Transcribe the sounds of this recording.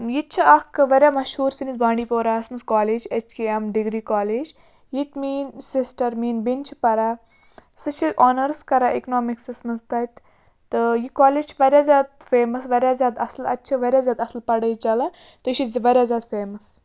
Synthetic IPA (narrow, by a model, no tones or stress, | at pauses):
jit͡ʃʰɐɐkʋɐɾʲamɐʃhuːɾsinit̪bãːɳɖiːpoːɾaːɐsmɐskaːleːd͡ʒet͡ʃʰkiemɖiɡɾiːkaːleːd͡ʒ | jit̪miːnsisʈɐɾmiːnbint͡ʃʰi̥pɐɾa | sɨʃiʔɔːnɐɾskɐɾaʔeknoːmiksɨsmɐnzt̪ɐjt̪ | t̪ɨjikaːleːd͡ʒt͡ʃʰʋɐɾʲazʲaːd̪̚feːmɐsʋɐɾʲaːzʲjaːd̪ɐslɐ̰tːt͡ʃʰɐʋɐɾʲjaːzʲjaːd̪ɐslpɐɽəjit͡ʃɐla | t̪ɨʃizʋɐɾʲjaːzʲjaːd̪feːmɐs